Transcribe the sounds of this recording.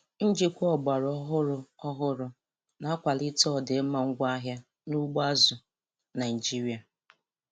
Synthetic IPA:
n̩˦d͡ʒi˦kʷɔ˦˨ɡ͡ba˨ɾɔ˦ɦʊ˦ɾʊ˨ɔ˦ɦʊ˦ɾʊ˨ | na˦a˦kʷa˨lɪ˦tɔ˦˨de˨˦ma˨ŋ̩˦ɡʷa˦ɦja˦ | nu˦ɡ͡ba˦zʊ˨ | na˨d͡ʒi˦ɾi˨a˨

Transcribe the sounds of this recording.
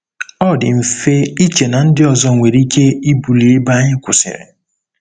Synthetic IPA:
ɔ˦dɪ˨m̩˨fe˦i˦t͡ʃe˨na˨n̩˦dɪ˦ɔ˨zɔ˦ŋʷe˨ɾi˦ke˦i˦bu˨li˨e˦ba˦ɲɪ˦kʷʊ˨sɪ̰˨ɾɪ̰˨

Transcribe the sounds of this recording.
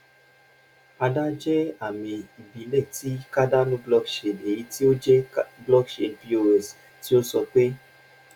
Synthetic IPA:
a˧da˦d͡ʒɛ˦a˦˨mĩ˧i˨bi˨˦lɛ˦˨ti˨˦ka˦da˦nũ˦blɔ˦kʃe˨ne˨ji˧˦ti˦o˦d͡ʒɛ˦blɔ˦kʃe˧bi˦o˦˨ɛ˨s | ti˦o˦sɔ˧k͡pe˦

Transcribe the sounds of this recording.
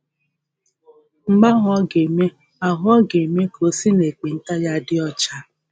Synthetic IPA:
ŋ͡m̩˦ɡ͡ba˦ɦʊ˨˦ɔ˦ɡe˨me˦ | a˨ɦʊ˦ɔ˦ɡe˨me˦kʰo˨si˦ne˨k͡pe˨n̩˦ta˦ja˦dɪ˦ɔ˦t͡ʃa˦

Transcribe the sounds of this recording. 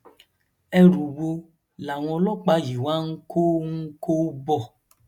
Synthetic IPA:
ɛ˧ɾu˨bo˧ | la˨w̃ɔ̃˧lɔ˦k͡pa˧ji˨wa˦ŋ̩˦kʰo˦ŋ̩˦ko˦bɔ˦˨

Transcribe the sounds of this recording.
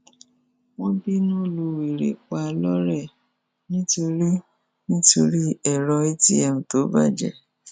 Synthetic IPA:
w̃ɔ̃˦bi˦nũ˦˨lu˧wi˨ɾḛ˨k͡pa˧lɔ˦ɾɛ˦˨ | nĩ˦to˧ɾi˦ | nĩ˦to˧ɾi˦ɛ˦˨ɾɔ˧i˦ti˦ɛ˨ũ˨to˨˦ba˦˨d͡ʒɛ̰˨

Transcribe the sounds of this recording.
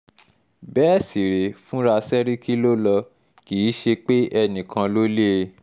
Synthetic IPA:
bɛː˦si˨ɾe˨fũ˦ɾa˧sɛ˦ɾi˦kʰi˦lo˦lɔ˧ | kiː˨˦ʃe˧k͡pe˦ʔɛ˧nĩ˨kʰã˧lo˦le˦˧

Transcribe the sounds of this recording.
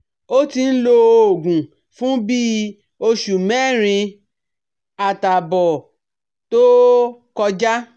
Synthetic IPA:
o˦ti˧n̩˦lo˧o˨ɡũ˨ | fũ˦bi˦ | o˧ʃu˨mɛ˦˨ɾ̃ĩ˧ | a˨ta˨bɔ˨ | to˦kɔ˧d͡ʒa˦

